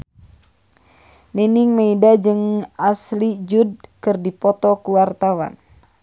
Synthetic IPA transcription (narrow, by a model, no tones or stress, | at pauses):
nɛniŋmeidad͡ʒɨŋaslid͡ʒud̚kɨrdipɔt̪ɔkuwart̪awa̰n